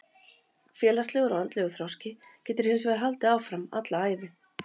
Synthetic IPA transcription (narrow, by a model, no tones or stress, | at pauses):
fjɛːlaslɛːɣʏɾawant̪lɛɣʏθɾɔwscɪcʰɛːt̪ɪɾ̥hɪns̬vɛːɾɦalt̪ɪaːwfɾama̰t̪laaːjvɪ